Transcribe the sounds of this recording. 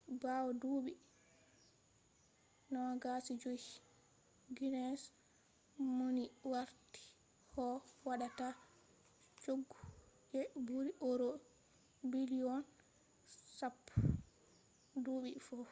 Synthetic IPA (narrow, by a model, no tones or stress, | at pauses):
bawɔduːɓi | nɔɡasid͡ʒoi | ɡinɛs | moniwaɾti̥ | hɔwaɗata | t͡ʃoɡːud͡ʒɛbuɾiʔoɾo | biliɔn | sapː | duːɓifɔ